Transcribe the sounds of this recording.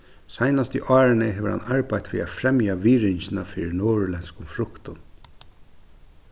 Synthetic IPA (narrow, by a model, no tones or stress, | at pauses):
sajnast̪ḭʔɑːɾɪnəɦɛʋəɾha̰naɹpajt̪ʋḭːa̰fɾɛmjaʋiːɹɪɲçɪnafiːɾɪnoːɹʊlɛnskʊmfɾʊkt̪ʊn